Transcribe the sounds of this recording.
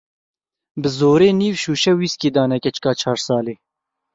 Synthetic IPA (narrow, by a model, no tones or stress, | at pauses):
bɨzoːɾeːniːvʃuːʃɛwiːskeːd̪ɑːnɛkʲɛt͡ʃkɑːt͡ʃʰɑːɾsɑːleː